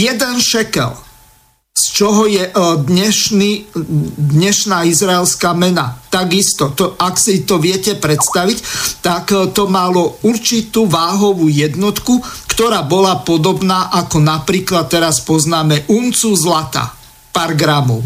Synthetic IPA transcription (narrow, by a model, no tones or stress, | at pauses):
jɛd̪ɛnʃɛkɛ̰l | st͡ʃɔɦɔjɛd̪ɲɛʃni | d̪ɲɛʃnaːizɾaɛlskaːmɛna̰t̪aɡist̪ɔt̪ɔʔaksit̪ɔʋɪɛcɛpɾɛt̪st̪aʋict̪akt̪ɔmalɔuɾt͡ʃit̪uːʋaːɦɔʋuːjɛd̪nɔt̪kukt̪ɔɾaːbɔlapɔd̪ɔbnaːʔakɔnapɾiːklat̪̚ːɛɾaspɔznaːmɛʔunt͡suzlat̪a̰ː | paːɾɡɾamɔʊ